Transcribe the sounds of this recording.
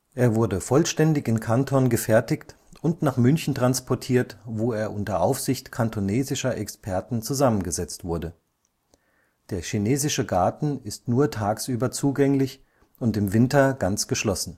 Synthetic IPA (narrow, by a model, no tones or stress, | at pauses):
ʔeːɐvʊɐdəfɔlʃtɛndɪçɪnkʰantʰɔnɡəfɛɐtɪçtʔʊntnaːχmʏnçn̩tʁ̥anspʰɔɐtʰiːɐtvoːeːɐʔʊntɐʔaʊfz̥ɪçtkʰantʰoneːzɪʃɐʔɛkspʰɛɐtn̩t͡suzamənɡəzɛt͡stv̥ʊɐdə | d̥eːɐʃineːzɪʃəɡaɐtn̩ɪstnuːɐtʰaːksʔyːbɐt͡suːɡɛŋlɪç | ʔʊntɪmvɪntɐɡ̥ant͡sɡ̥əʃlɔsn̩